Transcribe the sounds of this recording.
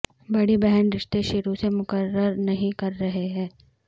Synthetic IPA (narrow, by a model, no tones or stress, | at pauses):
bɐɽibɛɦənɾɪʃt̪eʃʊɾusemʊkəɾəɾnɐɦĩkɐɾːɐɦeɦɛ̃ː